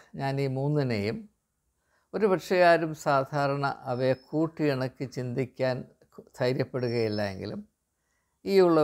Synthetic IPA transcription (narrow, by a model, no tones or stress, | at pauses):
ɲaːniːmuːnːinejum | o̞ɾubɐʈʂɐjaːɾumsaːd̪ʱaːɾɐɳɐ̰ʔɐʋekʰuːʈːiiɳɐkːɨt͡ɕind̪ikʲːaːn | t̪ʰɐjɾjɐpːe̞ɽuɣɐjilːɐjḛŋɡḭlṵm | iːuɭːɐ